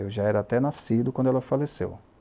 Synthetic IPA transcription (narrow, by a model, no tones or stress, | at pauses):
ewʒaɛɾɐːt̪ɛnasid̪ʊkwɐ̃dʊɛlɐfalesḛw